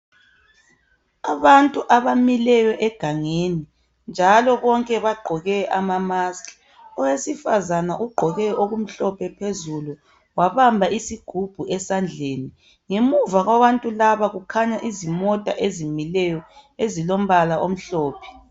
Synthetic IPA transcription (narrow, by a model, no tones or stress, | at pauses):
aβantʼuʔaβamilɛjɔʔɛɡ̥ʱaŋeni | nd͡ʒʱalɔβɔŋkʼɛβaɡ͡ǃʱɔɣɛʔamamaskʰʼi̥ | ɔwesifazanaʔuɡ͡ǃʱɔɣɛoɣum̩ɬɔpʰɛpʰezulu | waβambʱaisiɡ̥ʱub̥ʱuɛsand͡ɮʱeːni | ŋemuvaɣwaβantʼulaβaɣukʰaɲaʔizimɔtʼa̰ʔezimilɛjɔezilom̩βalaʔom̩ɬɔːpʰɛ̥